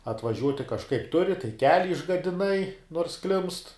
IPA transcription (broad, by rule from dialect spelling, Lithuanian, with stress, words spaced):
ɐtʋɐˈʒʲuɔtʲɪ kɐʃˈkɐɪp ˈtʊrʲɪ tɐɪ ˈkʲæːlʲɪ ɪʒɡɐdʲɪˈnɐɪ noːrs klʲɪmst